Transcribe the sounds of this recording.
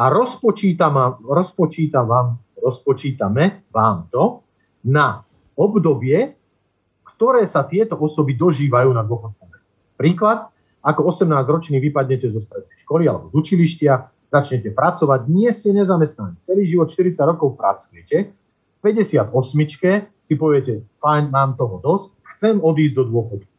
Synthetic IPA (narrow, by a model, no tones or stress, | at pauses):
aɾɔspɔt͡ʃiːt̪amaɾɔspɔt͡ʃiːt̪aʋaːm | ɾɔspɔt͡ʃiːt̪amɛʋaːmt̪ɔ | na | ɔbd̪ɔbɪɛ | kt̪ɔɾɛːsat̪ɪɛt̪ɔʔɔsɔbid̪ɔʒiːʋajuːnad̪ʊɔxɔnt͡samɛ | pɾiːklat̪̚ | akɔɔsɛmnaːzɾɔt͡ʃniːʋipad̪ɲɛcɛzɔst̪ɾɛd̪nɛjʃkɔlialɛ̰bɔzut͡ʃiliʃcɪa | z̥at͡ʃɲɛcɛpɾat͡sɔʋaɟ̚ɲɪɛscɛɲɛzamɛst̪naniːt͡sɛliːʒiʋɔt̪ʃt̪iɾit͡saɟɾɔkɔʊpɾa̰t͡sujɛcɛ | fpɛɟɛsɪad̪ɔsmit͡ʃkɛsipɔʋɪɛcɛfajɲmaːmt̪ɔɦɔd̪ɔsc | xt͡sɛmɔd̪iːzd̪ɔd̪ʊɔxɔt̪̚ku̥